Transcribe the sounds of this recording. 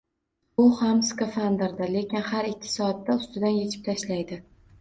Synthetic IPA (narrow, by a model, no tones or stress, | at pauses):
ʊhamskofand̪ɪɾd̪ale̞kʲɪnhaɾɪkʲʰːɪ̥sɒat̪ːaʊst̪ɪd̪anje̞t͡ʃʰɪ̥p̚t̪ʰaʃlajd̪ɪ